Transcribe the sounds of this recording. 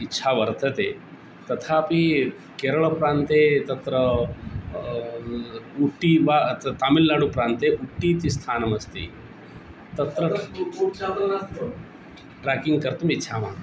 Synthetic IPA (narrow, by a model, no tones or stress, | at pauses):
itːɕʰaʋɐɾt̪ʰɐt̪e | t̪ɐt̪ʰaːpi | keːɾɐɭpɾaːnt̪et̪ɐt̪ɾə | uʈːiʋat̪aːmilːaɽupɾaːnt̪eʔuʈːiːt̪ist̪ʰaːnɐmɐst̪ḭ | t̪ɐt̪ɾɐt͡ʃat̪ɾɐna | ʈɾaːkiŋɡkɐɾt̪umitːʃʰamaː